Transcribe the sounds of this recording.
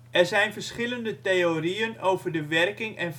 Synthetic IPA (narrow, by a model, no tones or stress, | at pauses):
ʔɛrzɛjnfərsχɪləndəteoriənoːvərdəʋɛrkɪŋɛn